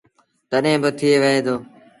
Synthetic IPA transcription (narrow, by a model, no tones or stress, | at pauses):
t̪əɗɦẽːbət̪ʰɪeːʋəɦeːd̪oː